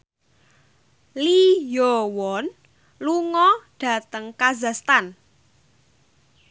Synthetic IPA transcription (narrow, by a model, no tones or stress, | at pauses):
lijɔwɔn | luŋɔɖ̥ä̤t̪əŋkazast̪an